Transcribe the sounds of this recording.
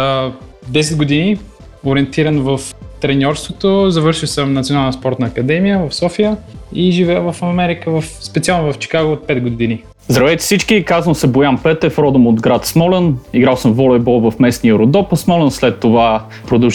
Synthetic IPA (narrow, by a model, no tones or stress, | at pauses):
d̪ɛs̬ɛd̪ɡod̪ini | oɾʲiɛnt̪iɾɐnvəft̪ɾɛnʲɔɾst̪vot̪ozɐvɤɾʃilˠsəmnɐt̪ionalˠɛnəspɔɾt̪nɐːkɐd̪ɛmijəvɐfsɔfijəiʒivɛjəvəfɐmɛɾikəvəfspɛt̪sialˠnovɐft͡ʃi̥kaɡoːt̪̚pɛd̪̚ɡoini | zd̪ɾɐvɛjt̪ɛ̥sit͡ʃkikazənsɛbojanpɛt̪ɛfɾɔd̪əmod̪ɡɾat̪smɔlɛniɡɾawˠsəmvɔlɛjbɔlˠvəfmɛsniəɾod̪ɔpəsmɔlɛnslɛt̪ːova | pɾod̪ə